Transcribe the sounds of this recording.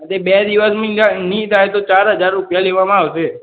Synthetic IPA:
ət̪ebed̪iʋəsmə̃d͡ʒanĩt̪ajt̪ot͡ʃaɾɦəd͡ʒaɾːupjaleʋamãaʋt͡ʃʰe

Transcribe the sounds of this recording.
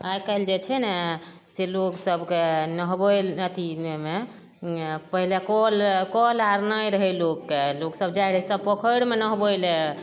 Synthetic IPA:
ajkald͡ʒet͡ʃʰɛnɛ | seloksəbkenəɦbolət̪ieme | pəɦilekɔlkɔlaɾnəjɾəɦɛlokːeloksəb̚d͡ʒajɾəsəbpəkʰəɽmenəɦbojle

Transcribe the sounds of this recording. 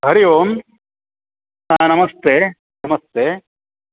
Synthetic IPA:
ɦɐɾijoːm | sanɐmɐst̪e | nɐmɐst̪eː

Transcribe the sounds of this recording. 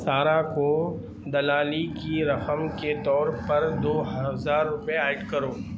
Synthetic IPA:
saːɾako | d̪ɐlaːlikiɾɐqəmket̪ɔːɾpɐɾd̪oːɦɐzaːɾːʊpeaːɪʈkɐɾoː

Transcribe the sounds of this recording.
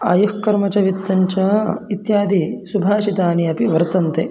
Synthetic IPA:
a̰ːjuhkɐɾmɐt͡ʃɐʋit̪ːɐɲt͡ʃɐit̪jaːd̪isubʱaːʃit̪aːniɐpiʋɐɾt̪ɐnt̪e

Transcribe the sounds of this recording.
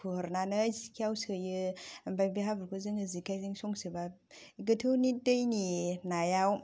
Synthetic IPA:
kʰuhɯɾnanɯjzikʰiawsɯjɯbajbiɦabɯɾkʰozɯŋɯzikʰajzɯŋsɔŋsɯba | ɡɯtʰɯwnit̚dɯjninajaw

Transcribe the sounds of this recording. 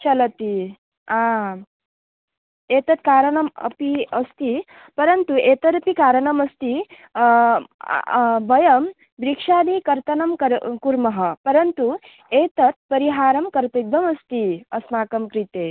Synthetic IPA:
t͡ʃɐlɐt̪i | aː | eːt̪ɐt̪̚kaːɾɐɳɐmɐ̰piɐst̪i | pɐɾɐnt̪ueːt̪ɐɾɐpikaːɾɐɳɐmɐst̪i | bʱɐjɐm | bɾikʂaːd̪ikɐɾt̪ɐnɐmkɐɾkuɾmɐɦɐpɐɾɐnt̪u | eːt̪ɐt̪̚pɐɾiɦaːɾɐmkɐɾt̪ɐd̪ʋɐmɐst̪iɐsmaːkɐmkɾit̪eː

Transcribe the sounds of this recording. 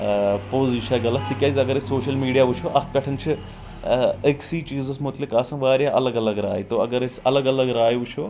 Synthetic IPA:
poːziʃɐɡɐlɐt̪ːikʲɐzʲɐɡɐɾesoːʃɐlmiːɖijaːʋut͡ʃʰoʔɐspʲɐʈʰɐnt͡ʃʰi | eksiːt͡ʃiːzɐsmut̪lʲikaːsɐ̃ʋaːɾʲjaʔɐlɐɡɐlɐɡɾa̰ːjit̪oɐɡɐɾesɐlɐɡɐlɐɡɾaːjiʋut͡ʃʰo

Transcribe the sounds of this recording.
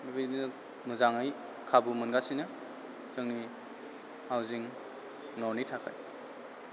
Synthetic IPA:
bibijnɯ | muzaŋaj | kʰabumɯnɡasinɯ | zɯŋni | hawziŋ | nɔwnitʰakʰa̰j

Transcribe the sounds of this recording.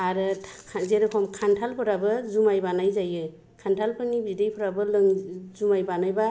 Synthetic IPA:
aɾɯzeɾɯpʰɔmkʰantʰalpʰɯɾabɯzumajbanajzajɯ | kʰantʰalpʰɯnibidejpʰɯɾabɯlɯŋzumajbanajba

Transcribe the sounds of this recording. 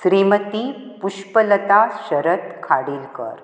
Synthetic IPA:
sɾimət̪ipuʃpələt̪aʃəɾət̪kʰaɽiːlkə̰ɾ

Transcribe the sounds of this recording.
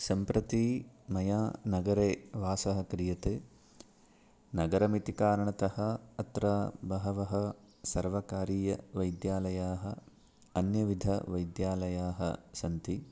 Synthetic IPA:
sɐmpɾɐt̪iːmɐjaːnɐɡɐɾeːʋaːsɐɦɐ̆kɾijɐt̪eː | nɐɡɐɾɐmit̪ikaːɾɐɳɐt̪ɐhɐ̆ɐt̪ɾabɐɦɐʋɐɦɐ | sɐɾʋɐkaːɾiːjɐʋɐjd̪jaːlɐjaːɦɐ | ɐnjɐʋid̪ʱɐ̰ʋɐjd̪jaːlɐjaːɦɐ̰sɐnt̪i

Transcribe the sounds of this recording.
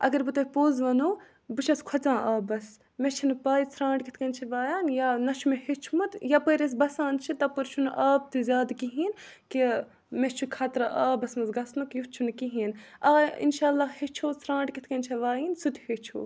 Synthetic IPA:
ɐ̰ɡɐɾbɨt̪ɐpoːzʋɐnoː | bɨt͡ʃʰɐskʰwɐt͡sãːʔaːbɐs | met͡ʃʰinpaːit͡sʰɾãːɳɖkit̪ʰkɐnt͡ʃʰɐʋaːjaːnjanɐʃʰumehet͡ʃʰumɐt̪japəːɾes̬bɐsãːnt͡ʃʰit̪ɐpəɾt͡ʃʰunʔaːb̚t̪ɨzʲaːd̪kiɦiːnki | met͡ʃʰukʰaːt̪ɾɐʔaːbɐsmɐzɡɐsnukjut͡ʃʰunkiɦiːnaːḭnʃaːlːaːhet͡ʃʰoːsʰɾãːɳɖkit̪ʰkɐnʲt͡ʃʰɐʋaːjiːnsut̪het͡ʃʰo̰ː

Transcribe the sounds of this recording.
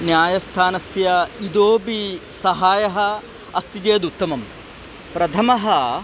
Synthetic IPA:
njaːjɐst̪ʰaːnɐsjɐid̪oːbisɐɦaːjɐɦɐ | ɐst̪id͡ʒeːd̪ut̪ːɐmɐm | pɾɐt̪ʰɐmɐɦɐ

